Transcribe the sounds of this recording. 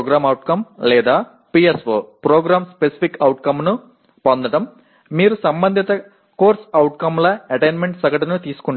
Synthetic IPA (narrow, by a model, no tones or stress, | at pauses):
ɡɾaːmɐwʈkɐmlɛːd̪aː | piːesʋoːpɾoːɡɾaːmspesi̥pʰikɐwʈkɐmnu | pond̪ɐʈɐmː | iːɾusɐmbɐnd̪ʱit̪ɐ | koːɾsɐwʈ̚kɐmlɐɐʈɐjnmeɳʈsɐɡɐʈinut̪iːsu̥kuɳɖ